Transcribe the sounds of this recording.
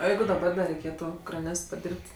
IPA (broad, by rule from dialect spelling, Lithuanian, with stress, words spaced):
oː ˈjɛɪɡʊ dɐˈbɐr dɐ rʲɛɪˈkʲeːtʊ krɐˈnʲeːst pɐˈdʲiːrʲpʲtʲ